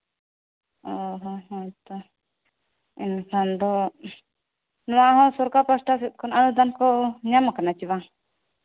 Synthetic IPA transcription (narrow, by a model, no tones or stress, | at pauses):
ɔɦɔmãt̪ɔ | ɛnkʰand̪ɔ | nɔwaʔɦɔ̃sɔɾkapɾɔsʈas̬ɛt̪̚kʰɔnanud̪ankɔɲamakanat͡ʃiβa